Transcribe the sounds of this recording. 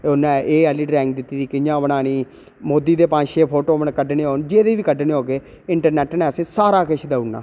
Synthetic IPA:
ʊnãːʔeːɛːliːɖɾɛ̃ːŋɡ̚d̪ɪt̪ːiːd̪iːkɪãːbəɽaːɽ̃iː | moːd̪iːd̪eːpãːʃeːpʰoːʈoːməɳkəɖneːɦoːnd͡ʒeːd̪eːʋiːkəɖneːɦoːɡeː | ɪɳʈəɾnɛːʈnɛːəsẽːsaːɾaːkɪʃʰd̪əunːa̰ː

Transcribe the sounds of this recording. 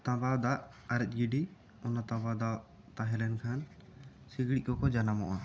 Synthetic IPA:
t̪ãbad̪aʔ | aɾɛc̪̚ˀɡiɖi | ɔnat̪ãbad̪a | t̪aɦɛlɛnkʰan | siɡɽikɔkɔd͡ʒanamɔ̰ʔa

